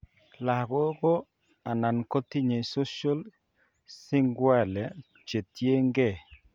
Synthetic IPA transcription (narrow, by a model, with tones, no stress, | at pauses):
la˨ɡɔ˦ɡɔ˦ | a˨na˨nko˦t̪i˦ɲe˨so˦ʃɔ˦l | sɪ˦ŋɡwɛ˦˨lɛ˨ | t͡ʃe˨t̪je˦ŋɡɛ˦˨